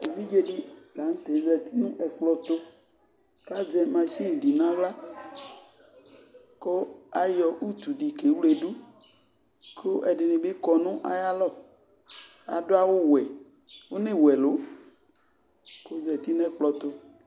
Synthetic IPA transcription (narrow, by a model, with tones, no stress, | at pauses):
e˨vi˦d͡ʒe˦ɖi˦la˨˦ŋ̩̃˦t̪e˨˦zɛ˨t̪i˦nũ˦ʔɛ˨k͡plɔ˨t̪o˦ | ka˦zɛ˨mã˨ʃi˦˨di˨nã˦ɡ͡bla˦ | ko˦a˨jɔ˨ʔu˦t̪u˨ɖi˨ke˨˦wle˨ɖu˦ | kʰo˦ʔɛ˨ɖe˨nẽ˨be˦kɔ˨nũ˦ʔa̰˨ja˦lɔ˦˨ | a̰˨ɖo˦a˦˨wo˦wɛ˨ | wo˦nẽ˦wɛ˨lo˨˦ | ko˦zɛ˨t̪i˦ñ˦ɛ˦k͡plɔ˨t̪o˦